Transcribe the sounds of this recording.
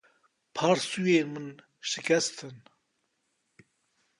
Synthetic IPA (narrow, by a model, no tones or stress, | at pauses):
pʰɑːɾsujeːmɨn | ʃɨkʰʲɛst̪ʰɨn